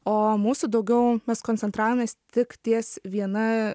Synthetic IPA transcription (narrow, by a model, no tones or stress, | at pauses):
oːmuːsud̪ɐʊɡʲɛʊmʲɛskoːnʲt͡sʲɛnt̪ɾɑːʋoːmʲeːst̪ʲɪkt̪ʲiɛsʋʲiɛnɐ